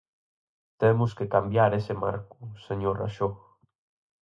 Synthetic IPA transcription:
t̪emʊskekambjaɾesema̰ɾkuseɲora̰ʃo

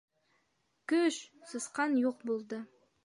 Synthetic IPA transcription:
kɵʃsɤsqɑnjoq̚bolˠd̪ə

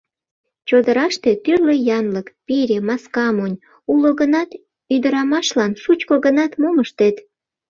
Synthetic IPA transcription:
t͡ɕod̪əɾɑʃt̪e̽t̪yrlejɑnləkpiɾʲemɑskɑmonʲ | uloɣənɑt̪ | yd̪əɾɑmɑʃlɑnʃut͡ɕkoɣənɑt̪moməʃt̪et̪

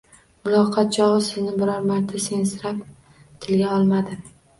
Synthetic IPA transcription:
mʊlˠɒqʰɑt̪̚t͡ʃʰɒʁɨsɪznɪbɪɾɒɾmaɾt̪ʰːasensɪɾap | t̪ʰɪlɡʲaɒlˠmad̪ɪ

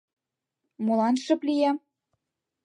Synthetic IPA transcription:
molɑnʃɤ̆plʲijæ

